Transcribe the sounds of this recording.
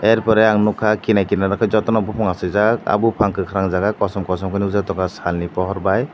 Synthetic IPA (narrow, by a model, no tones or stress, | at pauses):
ɛɾpɔɾɛaŋnɔkʰakinajkinaɾakʰajzɔtɔnɔbupʰɔŋasɯjzaka̰bupʰaŋkʰɯkʰaɾaŋzaɡajkɔsɔmkɔsɔmkʰɯniuzatɔkasalnipɔɦɔɾbaj